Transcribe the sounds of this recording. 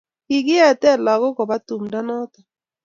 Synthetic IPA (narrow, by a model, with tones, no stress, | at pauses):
i˨ɡɪ˦ɛ˨tɛ˦˨la˨ɡɔ˦kɔ˨ba˦tu˨mda˦nɔ˦t̪ɛ˨